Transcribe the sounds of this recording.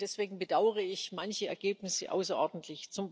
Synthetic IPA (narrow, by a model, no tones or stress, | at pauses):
d̥ɛsv̥eːɡŋ̩bədaʊəʁ̞əɪçmançəɛ̰ɐɡeːpnɪsə̰ʔa̰ʊsɐʔɔɐdn̩tʰlɪçt͡sʊmb